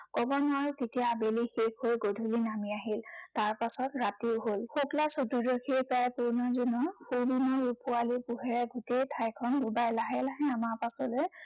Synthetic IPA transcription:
kɔbɔnaɹketijabelixekojɡodʱulinamiaɦiltaɹpasɔtɹatiʊɦolxuklasɔtudokʰipaapuɹnɔzunɔpʰubimɔɹupʊalipuɦɛɹɛɡutejtʰajkʰɔndubajlaɦɛlaɦɛamaɹpasɔloj

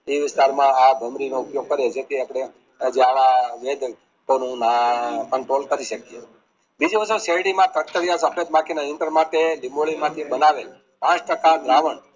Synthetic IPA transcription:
eʋɪst̪aɾmãabʱəmɾinoupjoɡ̚kəɾed͡ʒet̪ʰiapɽe | d͡ʒeaʋaʋed̪ʱ | t̪onũnakəɳʈɾolkəɾiʃəkie | bid͡ʒiʋəsuseɽimãt̪ək̚t̪əɾjasəpʰet̪mãkinaɪ̃ɳʈəɾmãt̪elimoɭimãt̪ʰibənaʋel | pãt͡ʃʈəkad̪ɾaʋəɳ

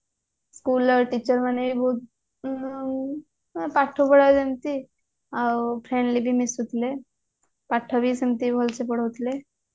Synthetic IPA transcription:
skuləɾʈit͡ɕəɾmənebibʱot̪̚ | paʈʰːobəɽajsemt̪i | apʰɾeɳɖlibʱiːmisut̪le | paʈʰːɔbʱiːsemt̪ibʱɔlsepəɽ̤əʋt̪le

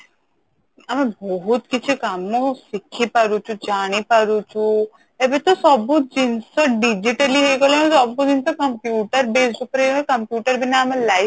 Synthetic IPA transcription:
ɐmẽbɔɦut̪kit͡ʃʰikamõsɪkʰːipɐɾut͡ʃʰũd͡ʒaːɽ̃ipɐɾut͡ʃʰu | ebet̪osɔbbut̪̚d͡ʒinsɐɖid͡ʒiʈəliɦejɡoleẽsɔbbud͡ʒinsɐkɐmpjuːʈəɾbeːsɖukɐɾeekɐmpjuːʈəɾbʱineɐmẽlaːɪ

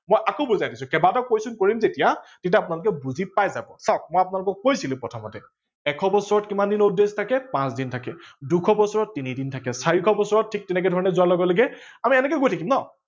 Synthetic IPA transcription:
mojʔakoʊbuzajdisʊ̃kɛbatɔkojsʊnkoɹimzetijatit̬aapʊnalʊk̬ɛbuzipajzabɔsak̚mojapʊnalʊkɔkkojsilʊ̃pɹɔtʰɔmɔtɛ | ɛkʰɔbɔsɔɹɔtkimandinoudestʰakɛpãsdintʰakɛdukʰɔbɔsɔɹɔt̚ːinidintʰakɛsaɹikʰɔbɔsɔɹɔt̚tʰːik̚tɛnɛkɛdʱɔɹɔnɛzʊwaɹlɔɡɔlɔɡɛamiɛnɛkɛɡojtʰakimnɔ

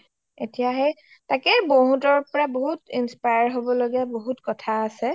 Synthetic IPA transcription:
etijaɦɛ | takɛboɦutɔɹpɔɹaboɦutinspajaɹɦobɔloɡɛboɦutkɔtʰaːsɛ

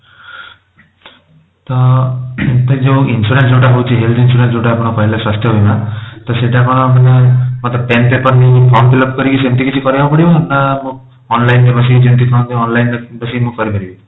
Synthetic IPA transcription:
t̪ɔ | t̪ɔĩd͡ʒẽinsuɾensd͡ʒewʈaɦowt͡ʃʰiɦelt̪ʰinsuɾensd͡ʒeʈaːpɔɽ̃ɔkɔɦilaswast̪ʰjɔɦojmat̪ɔseʈakɔɽ̃ɔmanemɔt̪ɔpent̪epɔnipʰɔmbilɔp̚kɔɾikisent̪ikit͡ʃʰikɔɾibapɔɽibanamũ | ɔnlajndebɔs̬id͡ʒent̪̬ikʰaw̃nt̪ĩɔnlajnbɔsimũkɔɾipaɽibi

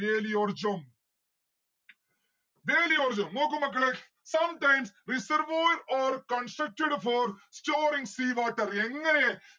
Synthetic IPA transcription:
eːliɔɾd͡ʒɐm | ʋeːliɔɾd͡ʒɐmnoːk̬ːɯmɐk̬ːɐɭe | sɐmʈɐ̃ɪmsɾɪsɐɾʋoːɖɔːɾkɐnsʈɾɐk̚ʈɪɽfɔːɾsʈoːɾɪ̃ŋsiːʋaːʈːɐɾɛŋɡɐne

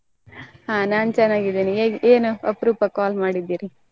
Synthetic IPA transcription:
ɦaːnaːnt͡ʃɛnːaːɡid̪iːnieːʔeːnuɐpɾuːpɐkaːlmaːɽid̪ːiːɾi

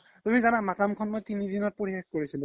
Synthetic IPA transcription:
tumizanamakamkʰɔnmojtinidinɔt̚poɹibexkoɹisilʊ

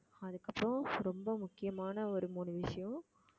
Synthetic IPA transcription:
ɐðɯkːɐpːɾõɾɔmbɐmʊkːɪjɐmaːnɐɔɾɯmuːnɯʋɪʂɐjõ

